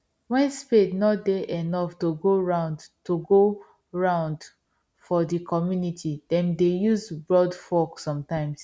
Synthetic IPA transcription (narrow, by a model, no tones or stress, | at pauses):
wɛ̃nspednɔt̚deʔenɔftoɡoɹãʊ̃ndtoɡo | ɹãʊ̃nd | fɔdikʰɔmjunitʰidɛ̃mdejuzbɹɔdfɔksɔ̃mtãɪ̃ms